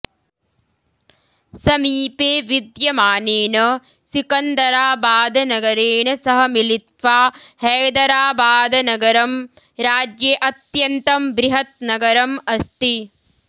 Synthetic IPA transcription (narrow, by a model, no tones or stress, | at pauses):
sɐmiːpeːʋid̪jɐmaːneːnɐ | sikɐnd̪ɐɾaːbaːd̪ɐnɐɡɐɾeːɳɐsɐɦɐmilit̪ʋaːhɐːd̪ɐɾaːbaːd̪ɐnɐɡɐɾɐm | ɾaːd͡ʒjeʔɐt̪jɐnt̪ɐmbɾiɦɐt̪nɐɡɐɾɐmɐst̪i